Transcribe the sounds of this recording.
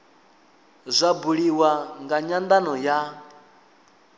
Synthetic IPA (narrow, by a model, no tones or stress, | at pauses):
zʷabuɺiwaŋɡaɲand̪anɔja